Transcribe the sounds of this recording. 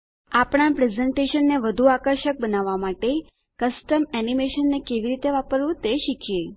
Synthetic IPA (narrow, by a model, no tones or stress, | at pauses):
apɽ̃apɾezeɳʈeʃənːeʋəd̪ʱuakəɾʃək̚bənaʋːamaʈe | kəsʈəmɛnimeʃənːekeʋiɾit̪eʋapəɾʋũt̪eʃikʰije